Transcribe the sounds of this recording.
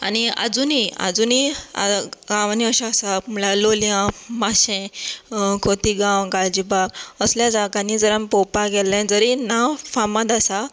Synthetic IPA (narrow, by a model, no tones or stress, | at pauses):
a̰nia̰d͡zunia̰d͡zunia̰ɡãʋaniəɕãːsam̤lalolijãmaɕɛ̃ | kʰot̪iɡãwɡald͡ʑibakəsljad͡zaɡanid͡zəɾãmpɔpaɡɛlɛ̃d͡zəɾinafamãd̪asa